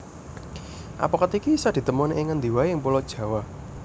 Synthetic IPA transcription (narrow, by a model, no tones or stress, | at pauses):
ʔa̰pɔkət̪ikisad̪̥i̤t̪əmɔneʔɪŋənd̪i̤waeɪŋpulɔd̥ʒ̥ä̤wa